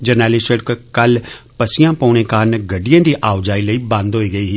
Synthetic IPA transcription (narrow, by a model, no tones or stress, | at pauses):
d͡ʒəɾnɛːlɪsəɽkkəlpəsɪjãːpɔːɽ̃eːkaːɾnɡəɖijãːd̪iːʔaːʊd͡ʒaːiləiːbãnd̪ɦoːiːɡəiːɦiː